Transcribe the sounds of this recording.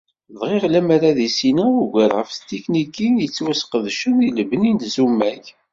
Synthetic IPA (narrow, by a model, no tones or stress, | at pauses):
ðʁeʁlæmaɾaðisinæuɡæɾʁəfst̪iknikːinjət͡sːwæsqəðʃəniləbənint̪zumːæç